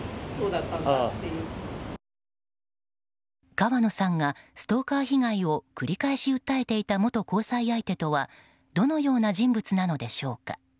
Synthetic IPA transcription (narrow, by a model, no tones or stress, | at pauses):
soːd̪at̪ːãnat̪ːejɯ | ɡ̥aβano̞sãŋɡasɨ̥t̪o̞ːkaːçiɡaio̞kɯ̟ɾʲikaeɕiɯ̟t̪ːae̞t̪e̞it̪amo̞t̪o̞ko̞ːsaiait̪e̞t̪o̞βa | d̪̥o̞no̞jo̞ːnaʑĩmbɯ̟t͡sɨnano̞d̪e̞ɕo̞ːka̰